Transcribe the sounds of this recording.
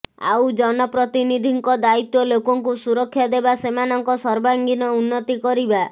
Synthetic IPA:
a̰wd͡ʒɔnɔpɾɔt̪inid̪ʱiŋkɔd̪ait̪wɔlokɔŋkusuɾɔkʰːjad̪ebasemanɔŋkɔsɔɾbaŋɡinɔunːɔt̪ikɔɾiba

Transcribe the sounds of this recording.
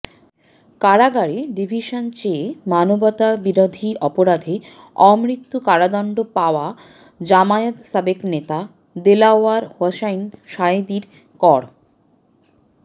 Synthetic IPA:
kaɽaɡaɽeɖibʱiʃont͡ɕemanobɔt̪abiɾod̪ʱiʔɔpoɾad̪ʱe | ɔmɾit̪ːukaɽad̪ɔɳɖopaoa | d͡ʑamajot̪sabeknet̪a | d̪elaoaɾhɔʃajnʃaed̪iɾ | kɔɽ

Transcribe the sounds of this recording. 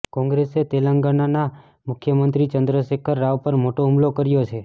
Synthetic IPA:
kɔ̃ŋɡɾeset̪eləŋɡanana | mʊkʰjəmənt̪ɾit͡ʃənd̪ɾəʃekʰəɾːaʋpəɾmoʈoɦumlokəɾjot͡ʃʰe

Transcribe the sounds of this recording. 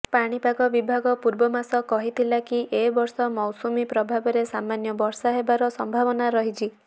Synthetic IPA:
paɽ̃ipaɡɔbibʱaɡɔpuɾbɔmasɔkɔɦit̪ʰilakiʔebɔɾsɔmɔwsumipɾɔbʱabɔɾesamanjɔbɔɾsaɦebaɾɔsɔmbʱabɔnaɾɔɦit͡ʃʰi

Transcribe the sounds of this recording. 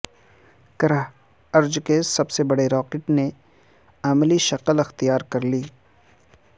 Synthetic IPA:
kɐɾa | ɐɾd͡ʒkesɐbsebɐɽeɾɔːkɪʈne | aːmliʃɐqəlɐxt̪ijaːɾkɐɾliː

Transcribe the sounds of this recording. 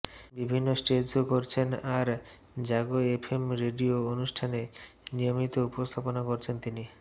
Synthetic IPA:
bibʱinːosʈed͡ʑokoɾt͡ɕʰenaɾ | d͡ʑaɡoepʰemɾeɖioonuʃʈʰane | nijomit̪oupost̪ʰaponakoɾt͡ɕʰent̪ini

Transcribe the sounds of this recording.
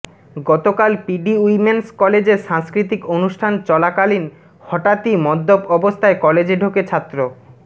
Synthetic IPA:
ɡɔt̪okalpiɖiuimenskɔled͡ʑeɾʃãŋskɾit̪ikonuʃʈʰant͡ɕɔlakalin | hɔʈat̪imɔd̪ːobɔbost̪ʰaekɔled͡ʑeɖʱoket͡ɕʰat̪ːɾo

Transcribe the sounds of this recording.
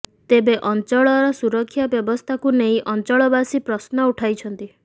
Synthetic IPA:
t̪ebeʔɔnt͡ʃɔɭɔɾɔsuɾɔkʰːjabjɔbɔst̪ʰakuneĩʔɔnt͡ʃɔɭɔbasipɾɔsnɔuʈʰajt͡ʃʰɔnt̪i

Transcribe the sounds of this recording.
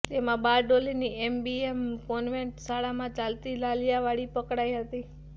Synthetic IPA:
t̪emãbaɾɖoliniembiemkonʋeɳʈsaɭamãt͡ʃalt̪ilaljaʋaɽipəkɽajɦət̪i

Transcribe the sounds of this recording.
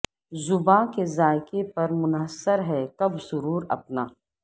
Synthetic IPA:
zʊbãːkezaːɪkepɐɾmʊnɦəsːəɾɦɛkɐbsʊɾuːɾɐ̰pnaː

